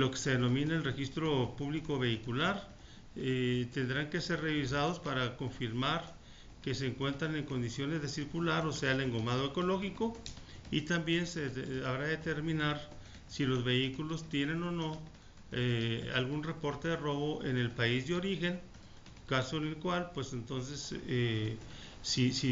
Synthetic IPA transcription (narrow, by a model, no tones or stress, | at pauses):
lo̞ke̥se̞ðeno̞mĩnaelre̞xist̪ɾo̞puβliko̞βe̞ikulaɾ | et̪e̞nd̪ɾaŋke̞se̞ɾre̞βis̬aðo̞spaɾako̞ɱfiɾmaɾ | ke̞se̞ːŋkwe̞nt̪ɾane̞ŋko̞nd̪isjo̞ne̞zðe̞siɾkulaɾo̞se̞aele̞ŋɡo̞mað̞o̞eko̞lo̞xiko̞ | it̪ambje̞nseaβɾaðet̪e̞ɾmĩnaɾ | silo̞zβe̞ikulo̞st̪je̞ne̞no̞no̞ | ea̰lɣunre̞po̞ɾt̪e̞ðero̞βo̞ʔe̞ne̞lpaizðeo̞ɾixe̞ŋ | kaso̞ene̞lkwalpwe̞se̞nt̪o̞ns̬e̞se | sisi